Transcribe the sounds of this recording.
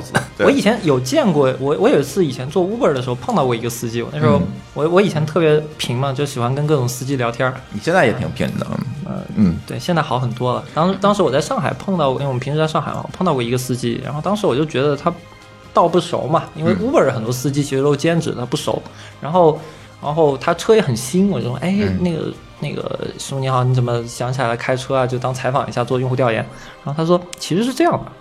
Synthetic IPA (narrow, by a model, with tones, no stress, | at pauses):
ɹ̩˧wɔ˧˥i˨˩t͡ɕʰjɛ˧˥njo˨˩ʊt͡ɕjɛ˥˧nkwɔ˥˩wɔ˧˥wʔɔ˧˥jo˨˩i˧˥t͡sʰɹ̩˥˩i˨˩t͡ɕʰjɛ˧˥nt͡swɔ˥˧u˥pə˞˨˥˩də˩ʂɻxo˧ʊɤ˥˧ŋt̪ɑ˥˧ʊkwɔ˥˩i˧˥ɡə˧sɹ̩˥˧t͡ɕi˥˩w̰ɔ̰˨˩na˥˩ʂɻxo˥ʊwɔ˧˥wɔ˧˥i˨˩t͡ɕʰjɛ˧˥nt̪ʰɤ˥˩pjɛ˧˥pʰi˧˥ŋmɐ˧t͡ɕjo˥˩ʊɕi˨˩xwa˥nkə˥nkɤ˥˩ʈ͡ʂʊ˨˩ŋsɹ̩˥˧t͡ɕi˥˩ljɑ˧˥ʊt̪ʰjɑ˥ni˨˩ɕjɛ˥˧nt͡sa˥˩jɛ̰˧˥t̪ʰi˧˩˥ŋpʰḭ˧˥ŋd̪ə̰˧ə̰˧˥˩t̪we˥˩ɪɕjnt͡sa˥˩ɪxɑ˧˥xə˨˩nt̪wɔ˥lə̰˨t̪ɑ˥ŋʂ̩˧˥t̪ɑ˥ŋʂɻ̩˧˥wɔ˨˩t͡sa˥˧ɪʂɑ˥˩ŋxa˨˧˩ɪpʰɤ˥˧ŋt̪ɑ˥˩ʊ˧˥˩pʰi˧˥ŋʂɻ̩˧˥˧ʂɑ˥˩ŋxa̰˨˧˩ɪ̰˧˩wɔ̰˨˩pʰɤ˥˧ŋt̪ɑ˥˧ʊwɔ˥˩i˧˥ɡə˧sɹ̩˥˧t͡ɕi˥˩ɻa̰˧˥nxo˥˧ʊt̪ɑ˥ŋʂɻ̩˧˥wɔ˨˩t͡ɕjo˥˩ʊt͡ɕɥɛ˧˥d̪ə˧t̪ʰa˥ | t̪ɑ˥˧ʊpu˥˩ʂo̰˧˩˥ʊmɐ˨i˥nwe˥˩ɪʔu˥pə˞˨˩də˥xə˨˩nt̪wɔ˥sɹ̩˥˧t͡ɕi˥˩t͡ɕʰi˧˥ʂɻ̩˥˧˥t͡ɕjɛ˥nʈ͡ʂɻ̩˨˩t̪ʰa˥pu˥˩ʂo̰˨˧˩ʊ | ɻa˧˥nxo˥˩ʊ | ɻa̰˧˥nxo˥˩ʊt̪ʰa˥ʈ͡ʂʰɤ˥jɛ˧˥xə˨˩nɕi˥nwɔ˨˩t͡ɕjʂɔ˥ʔe˥˩ɪne˥˩ɡə̰˩ | ne˥˩ɡə̰˩ʂu˥ni˧˥xɑ˧˩ʊni˧˥t͡sə˨˩mə˦ɕjɑ˧˥ŋt͡ɕʰla˧˥la˧˥ɪkʰa˥ɪʈ͡ʂʰɤ˥a˨t͡ɕjo˥˩ʊt̪ɑ˥ŋt͡sʰa˧˥ɪfɑ˨˩ŋi˧˥ɕja˥˧t͡swɔ˥˧jʊ˥˧xt̪jʊjɛ̰˧˥n | ɻa˧˥xo˥˩ʊ˥ʂwɔ˥t͡ɕʰi˧˥ʂɻ̩˧˥ʂɻ̩˥˧ʈ͡ʂɤ˥˧jɑ˥˩ŋd̪ə˩